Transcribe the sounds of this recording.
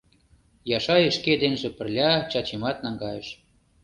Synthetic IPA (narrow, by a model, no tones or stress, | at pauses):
jɑʃɑjə̆ʃked̪enʒĕpə̆rlʲɑt͡ɕɑt͡ɕimɑt̪̚nɑŋɡɑjeʃ